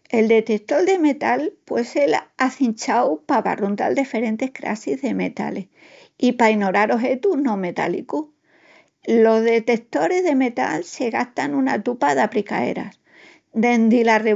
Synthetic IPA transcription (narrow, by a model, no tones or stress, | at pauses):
e̞ld̪e̞t̪e̞t̪o̞ld̪e̞me̞t̪alpwe̞se̞laθinʲt͡ʃawpaβa̰runt̪a̰ld̪efe̞ɾe̞nt̪e̞hkɾa̰sizðe̞me̞t̪a̰leh | ipaino̞ɾaɾo̞ɦe̞t̪unõ̞me̞t̪a̰lḭku | lo̞zðe̞t̪e̞kt̪o̞ɾe̞zðe̞me̞t̪a̰lse̞ɣast̪anunat̪upaðapɾika̰e̞̰ɾa̰s | d̪e̞nd̪ilare